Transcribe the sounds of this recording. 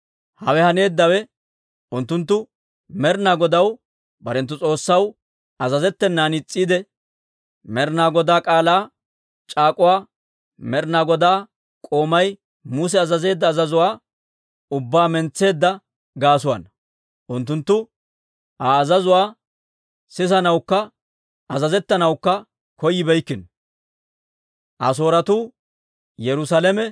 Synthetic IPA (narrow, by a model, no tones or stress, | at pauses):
hɐwɛhɐne̞ːd̪ːɐwɛ | ʊnt̪ːʊnt̪̬ːʊ | mɛɾnaːɡɔd̪ɐw | bɐɾɛnt̪ːʊt͡sʼo̞ːsːɐw | ɐzɐzɛt̪ːɛnːaːnɪt͡sʼːiːd̪ɛ | mɛɾnaːɡɔd̪aːkʼaːlaː | t͡ʃʼaːkʼʊwaː | mɛɾnaːɡɔd̪aː | kʼo̞ːmɐj | mʊːs̬ɛɐzɐze̞ːd̪ːɐːzɐzʊwaː | ʊbːaːmɛnt͡sːe̞ːd̪ːɐ | ɡaːs̬ʊwɐ̰n | ʔʊnt̪ːʊnt̪ːʊ | haːzɐzʊwaː | sɪsɐnɐwkːɐ | ɐzɐzɛt̪ːɐnɐwkːɐ | kɔjːɪbɛjkːɪn | ʔɐs̬o̞ːɾɐt̪uː | jɛɾʊsalɛmɛ